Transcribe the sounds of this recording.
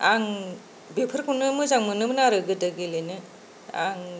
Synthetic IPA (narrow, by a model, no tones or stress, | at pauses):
aŋ | bepʰɯɾkʰanɯmɯzaŋmɯnɯmnaɾɯɡɯdɯɡelɯnɯ | a̰ŋ